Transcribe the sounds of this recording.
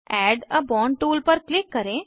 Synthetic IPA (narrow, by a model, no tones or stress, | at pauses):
ɛɖəbɔɳɖʈuːlpəɾklikːəɾẽ